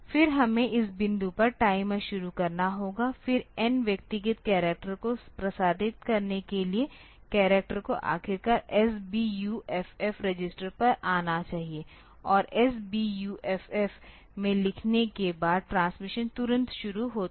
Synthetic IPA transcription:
fɪɾɦɐmẽʔɪs̬bɪ̃nd̪upɐɾʈaːɪmẽʃʊɾukɐɾnaɦoːɡafɪɾɛnʋjɐk̚t̪ɪɡɪt̪kɛːɾeːk̚ʈəɾkopɾɐsaːd̪ʱɪt̪kɐɾnekelie | kɛːɾek̚ʈəɾkoʔa̰ːxɪɾkɐɾɛsbijuʔɛfɛfɾed͡ʒɪsʈəɾpɐɾaːnat͡ʃaːɦie | ɔːɾɛs̬bijuːʔɛfɛf | mẽlɪkʰnekebaːd̪̚ʈɾãːnsmɪʃə̃nt̪ʊɾə̃nt̪ʃʊɾuɦoː

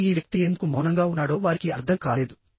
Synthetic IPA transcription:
iːʋjɐk̚t̪ieːnd̪ukumɔːnɐŋɡaːunːaːɽo̞ːʋaːɾikiɐɾd̪ʰʱɐŋkaːle̞ːd̪u

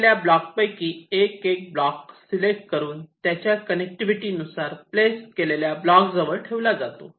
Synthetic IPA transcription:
ljablɔk̚pəjkiːekek̚blɔksilek̚ʈkəɾuːnt̪jat͡ɕjakənek̚ʈiʋiʈiːnusaɾpleskeleljablɔkd͡zəʋəɭʈʰeʋlad͡zat̪o̰

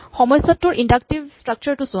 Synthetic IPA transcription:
xɔmɔjsatːʊɹʔindak̚tibstɹak̚t͡ɕaɹtʊsʊ

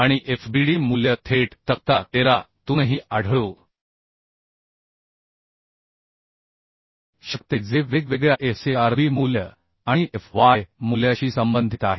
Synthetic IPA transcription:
aɽ̃iʔefbiɽiːmuljət̪ʰeʈt̪ək̚t̪at̪eɾat̪uːnɦiːʔaɽʱɭo | ɕəkt̪ed͡zeʋekʋeɡɭjaʔefseaɾbiːmuljə | ãiʔefʋajmuljaɕiːsəmbənd̪ʱit̪aɦe

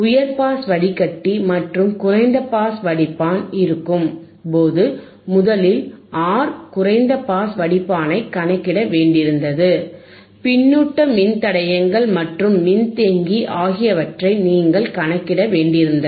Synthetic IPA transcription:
ʊjɐɾpaːsʋɐɽɪkːɐʈːimɐʈrɯmkʊrɐɪnd̪ɐpaːsʋɐɽɪpːaːnɪɾɯkːɯm | poːðɯ | mʊðɐlɪlʔaːɾkʊrɐɪnd̪ɐpaːsʋɐɽɪpːaːnɐɪkɐnɐkːɪɽɐʋeːɳɖɪɾɯnd̪ɐðɯ | pɪnːuːʈːɐmɪnt̪ɐɽɐjɐŋɡɐɭmɐʈrɯmːɪnt̪eːŋɡiʔaːɣɪjɐʋɐʈrɐɪniːŋɡɐɭkɐnɐkːɪɽɐʋeːɳɖɪɾɯnd̪ɐ

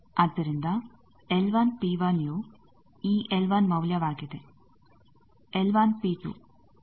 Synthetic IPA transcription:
ɐt̪ːiɾind̪a | elʋaːnpiːʋaːnjo | iːʔelʋaːnmɐwljaʋaːɡit̪e | elʋaːnpiːt̪ṵ

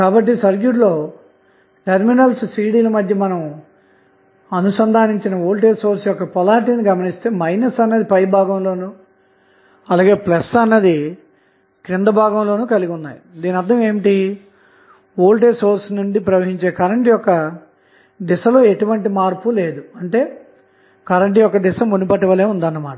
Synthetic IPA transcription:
kaːbɐʈːisɐɾɡjuɾlo̞ː | ʈɐɾminɐlssiːɽiːlɐmɐd̪ʱjɐmɐnɐm | ɐnusɐnd̪ʱaːniɲt͡ʃinɐoːlʈ̬eːso̞ːɾsjɔkːɐpɔlaːʈiniɡɐmɐnist̪e̞ːmɐjnɐsɐnːɐd̪ipɐjbʱaːɡɐmlo̞ːnuː | ɐlaːɡe̞ːplɐsɐnːɐd̪i | kɾind̪ɐbʱaːɡɐmlo̞ːnuːkɐliɡʲiunːaːjid̪iːnɐd̪ːɐme̞ːmiʈi | oːlʈ̬eːsoːɾsnuɳɖipɾɐʋɐɦiɲt͡ʃeːkɐɾɐɳʈijɔkːɐ | d̪isɐlo̞ːe̞ʈuʋɐɳʈimaːɾpule̞ːd̪uɐɳʈe̞ː | kɐɾɐɳʈijɔkːɐd̪ɪsɐmunupɐʈːɐʋɐleːund̪ɐnːɐmaːʈɐ

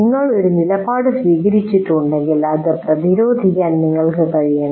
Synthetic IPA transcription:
niŋːɐɭo̞ɾunilɐpaːɽɨsʋiːɡɐɾit͡ɕːiʈːuɳɖeŋɡilɐðɐprɐðiɾoːd̪ʱikːaːnniŋːɐɭkɨkɐɻijaːɳɐ

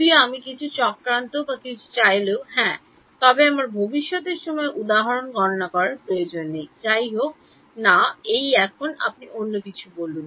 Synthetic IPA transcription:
ieamikit͡ɕʰut͡ɕɔkɾant̪obakit͡ɕʰu̥t͡ɕajloɦɛ̃ | t̪ɔbeamaɾbʱobiʃːɔt̪eɾʃɔmɔeʔud̪aɦaɾonɡɔɾonakɔɾaɾpɾojod͡ʑonːet͡ɕajɦok̚ | naejɛkʰona̰p̚nionːokit͡ɕʰubolun

